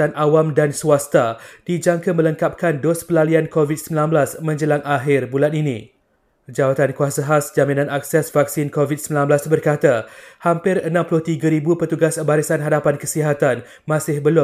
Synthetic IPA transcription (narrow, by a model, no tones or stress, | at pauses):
anʔawamdansuast̪ad̥id͡ʒaŋkamə̃ləŋkap̚kandospəlaliankovit̪̚səmbilanblasmə̃ɲd͡ʒəlaŋʔaɦɪrbulaninĩ | d͡ʒawat̪ankuasaɦasd͡ʒaminãnak̚sɛsvak̚sɪnkovit̪̚səmbilanbəlasbərkat̪ahampɪrənãmpulʊht̪iɡaɾibupərt̪uɡasbaɾisanɦadapankəsiɦat̪an | mãsɪhbəlʊ